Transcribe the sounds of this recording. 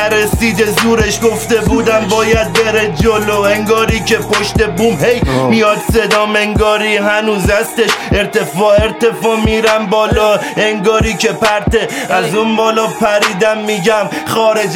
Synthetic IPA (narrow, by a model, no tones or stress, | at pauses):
æɾesiːd̪ezuːɾe̞ʃɡo̞ft̪e̞buːd̪æmbɒːjæd̪̚be̞ɾed͡ʒoloeŋɡɒːɾiːcʰe̞poʃt̪e̞buːmhejmijɒːd̪se̞d̪ɒːmeŋɡɒːɾiːɦænuːzæst̪eʃe̞ɾt̪e̞fɒːe̞ɾt̪e̞fɒːmiːɾæmbɒːlɒː | eŋɡɒːɾiːce̞pæɾt̪eæzunbɒːlɒːpʰæɾiːd̪æmːiːɟæm | χɒːɾed͡ʒ